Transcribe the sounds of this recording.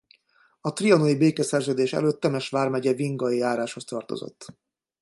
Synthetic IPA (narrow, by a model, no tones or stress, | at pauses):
ɒt̪riɒnojibeːkɛsɛrzøːd̪eːʃɛ̰løːt̪ːɛmɛʃʋaːrmɛɟɛviŋɡɒiaːɾaːʃho̞st̪ɒrt̪o̞̰zo̰t̪ː